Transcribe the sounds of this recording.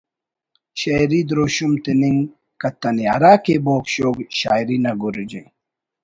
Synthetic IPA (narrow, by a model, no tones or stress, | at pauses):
ɕɐjɾid̪ɾoːɕumt̪eniŋ | kɐt̪ːɐniɐɾaːkeboːkɕoːɡɕaːjɾinɐɡuɾd͡ʑe